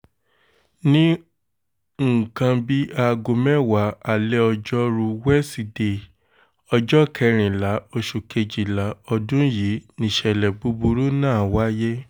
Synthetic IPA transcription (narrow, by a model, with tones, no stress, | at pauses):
nĩ˦ | ŋ̩˦˨kã˧bi˦ʔa˧ɡo˧mɛ̃˦wa˨˦a˨lɛ˦ɔ˧d͡ʒɔ˦ɾu˧wɛ˦si˨de˧˨ | ɔ˧d͡ʒɔ˦kʰɛ˧˦ɾ̃ĩ˨la˨˦o˧ʃu˨kʰe˧d͡ʒi˨la˨˦ɔ˧dũ˦ji˨˦nĩ˨ʃɛ˨lɛ˨bu˦bu˧ɾu˦nãː˦˨wa˦je˦